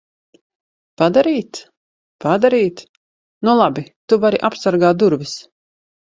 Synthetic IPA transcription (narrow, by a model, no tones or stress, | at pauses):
pad̪aɾiːt̪ | pad̪aɾiːt̪ | nulˠabit̪uvaɾiʔapsaɾɡaːt̪̚d̪uɾvis